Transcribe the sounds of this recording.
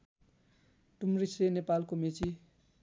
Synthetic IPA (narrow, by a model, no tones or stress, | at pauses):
ʈumrisɾenepalkomet͡si